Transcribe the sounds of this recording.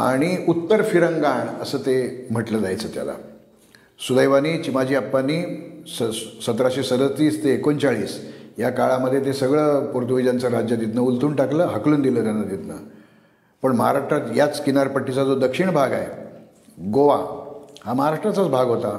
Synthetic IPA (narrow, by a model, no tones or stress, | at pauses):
a̰ɽ̃iut̪ːəɾfiɾəŋɡaɳəsəːt̪em̤əʈləːd͡zajt͡səːt̪ja̰la̰ | sud̪əjʋaniːt͡ɕimad͡ʑiːəpːaniəsət̪ɾaɕesəd̪ət̪iːst̪eːkont͡saɭiːsjakaɭaməd̪ʱːjet̪̬esəɡɭəːpuɾt̪uʋid͡ʑant͡səɾad͡ʑjad̪et̪nəult̪uːɳʈakləːɦəkluːnd̪iləːt̪janːad̪et̪nə̰ | pəɳməɦa̰ɾaʂʈɾat̪jat͡skinaɾpəʈːit͡sad͡zod̪əkʂiɳbʱaɡa̰ḛ | ɡoʋahaməɦaɾaʂʈɾat͡sat͡sbʱaɡɦot̪a